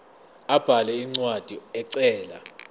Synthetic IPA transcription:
ab̥ʱalɛiŋ͡ǀwad̥ʱiɛǀɛːla̰

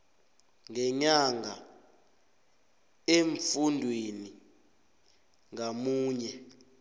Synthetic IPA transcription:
ŋɛɲaŋʱa | eɱfundʱweni | ŋamuːɲɛ

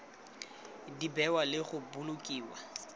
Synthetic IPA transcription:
dibɛwalɪχʊbʊlʊkʼiːwa

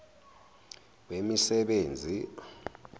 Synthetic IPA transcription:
wemisɛɓeːnd͡zʱi

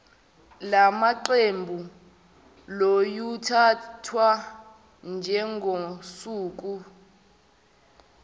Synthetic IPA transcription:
lamaǃembʱu | lojutʰatʰwa | nd͡ʒʱɛŋʱosuːk̬u

